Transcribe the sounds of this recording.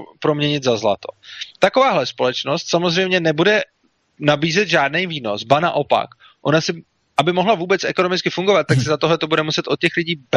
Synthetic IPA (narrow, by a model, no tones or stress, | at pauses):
pɾo̞mɲɛɲɪt̪zazla̰t̪o̞t̪ako̞vaːɦlɛspo̞lɛt͡ʃno̞st̪samo̞zr̝ɛjmɲɛnɛbudɛ | nabiːzɛt̪ʒaːdnejviːno̞̰sbana̰ʔo̞pa̰k | ʔo̞nasɪ | ʔabɪmoɦlavuːbɛt͡sʔɛko̞no̞mɪt͡skɪfuŋɡovat̪̚ːaksɪzat̪oɦlɛt̪o̞budɛmusɛt̪o̞t̪̚cɛxlɪɟiːb